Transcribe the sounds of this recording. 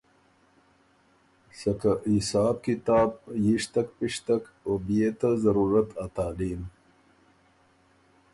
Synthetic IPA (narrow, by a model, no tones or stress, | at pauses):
sɐkaisaːb̚kit̪aːb̚jiʂt̪ɐkpiʂt̪ak | obijet̪azɐɾuːɾət̪at̪aːliːm